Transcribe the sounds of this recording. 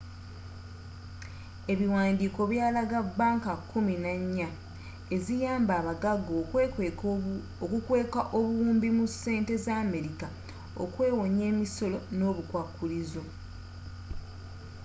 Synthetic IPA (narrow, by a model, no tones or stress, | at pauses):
e̞βiwaːndiːko̞βjaːlaɡabːaːŋkakʰːuminaɲːa | ezijaːmbaːβaɡaɡo | okukwe̞ːkaʔoβuwuːmbimuse̞ːnte̞zaːme̞ɾika | o̰kwe̞ːwo̞ɲe̞ːmiso̞lo̞no̞ːβukwakːulizo̞